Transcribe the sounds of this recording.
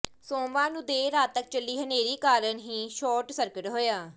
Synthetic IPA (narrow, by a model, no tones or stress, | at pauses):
soːʋãːnũːd̪eːɾaːt̪ːək̚t͡ʃəlːiːɦəneːɾiːkaːɾənɦiːʃɔːɾʈsəɾkəʈɦoːjaː